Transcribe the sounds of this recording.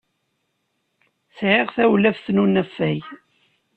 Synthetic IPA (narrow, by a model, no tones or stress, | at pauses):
sʕeʁθæwlævθnunæfːæj